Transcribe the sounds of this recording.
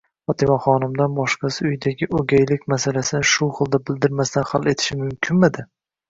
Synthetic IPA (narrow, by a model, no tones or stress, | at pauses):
fɒt̪ʰɪmaχɒnɪmd̪anbɒʃqɑsɪʊjd̪aɡʲɪʔoɡʲajlɪkʲmasalasɪnɪʃʊχɨlˠd̪abɪld̪ɪɾmast̪ʰanχale̞t̪ʰɪ̥ʃɪmʊmkʲʰɪnmad̪ɪ